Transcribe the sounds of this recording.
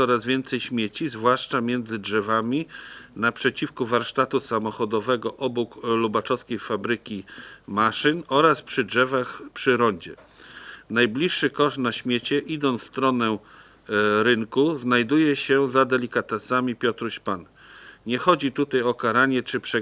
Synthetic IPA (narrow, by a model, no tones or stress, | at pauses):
ɔɾazvʲjɛnt̪sɛjɕmʲjet͡ɕizvwaʂt͡ʂamʲjɛnd̪zɘdʐɛvamʲinapʂɛt͡ɕifkuvaɾʂt̪at̪usamɔxɔd̪ɔvɛɡɔʔɔbuklubat͡ʂɔskʲejfabɾɘkʲimaʂɘnɔɾaspʂɘdʐɛvaxpʂɘɾɔɲd͡ʑɛ | najblʲiʂːɘkɔʂt̪naɕmʲjet͡ɕɛʔid̪ɔnst̪ɾɔnɛ | ɾɘŋkuznajd̪ujɛɕɛzad̪ɛlʲikat̪ɛsamʲipʲjɔt̪ɾuɕpan | ɲɛxɔd͡ʑit̪ut̪ajɔkaɾaɲɛt͡ʂɘpʂɛ